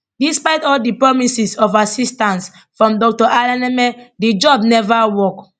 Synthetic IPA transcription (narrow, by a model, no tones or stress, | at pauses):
dispaɪtɔldipɹɔmisisɔvasistãns | fɹɔ̃mdɔk̚tɔʔalãnɛmɛdid͡ʒɔb̚nɛvawɔk